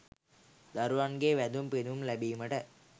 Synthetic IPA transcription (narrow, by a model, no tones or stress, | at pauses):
d̪ɐɾʋaːnɡeːʋɛd̪umpenumlɐbimɐʈɐ